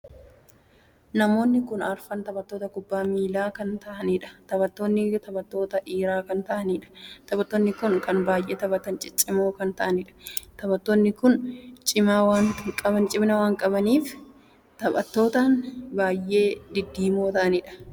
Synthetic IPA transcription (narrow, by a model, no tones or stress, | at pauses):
nɐmo̞ːnːɪkʊnɐɾfɐnt̪ɐbɐt̪ːo̞ːt̪ɐkʊbːaːmiːlaːkɐnt̪ɐʔɐniːᶑɐ̥t̪ɐbɐt̪ːoːnːɪt̪ɐbɐt̪ːo̞ːt̪ɐʔiːɾaːkɐnt̪ɐʔɐniːᶑɐ̥t̪ɐbɐt̪ːoːnːɪkʊnkɐnbaːjʔe̞ːt̪ɐbɐt̪ɐnt͡ʃʼɪt͡ʃʼɪmoːkɐnt̪ɐʔɐnɪᶑɐ̥t̪ɐbɐt̪ːonːɪkʊnt͡ʃʼɪmaːwaːnkʼɐbɐnt͡ʃʼɪbnɐwaːŋkʼɐbɐniːf | t̪ɐbɐt̪ːo̞ːt̪aːnbaːjʔe̞ːd̪ɪd̪ːiːmoːt̪ɐʔɐnɪᶑɐ̥